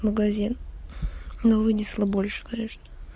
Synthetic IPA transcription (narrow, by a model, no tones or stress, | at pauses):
məɡɐzʲin | novɨnʲɪslˠəbo̞lʲʂɨ̥kɐnʲe̞ʂnə̥